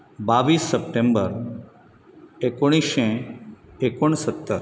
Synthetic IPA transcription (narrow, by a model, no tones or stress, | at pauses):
baːʋiːsːəp̚ʈẽmbəɾ | ekoɽ̃iʃɛ̃ | ekoɳ̃sət̪ːəɾ